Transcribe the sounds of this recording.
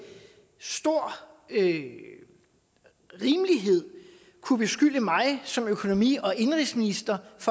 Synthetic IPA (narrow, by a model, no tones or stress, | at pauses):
sd̥o̝ɐ̰ø | ʁiːməliɦe̝ð̞̰ˠ | kʰub̥e̝sɡ̥yl̰əmɑ̈ɪsɒ̽møkʰo̝no̝mḭːɒ̽ʔe̝nʁisminisd̥ɐfɒ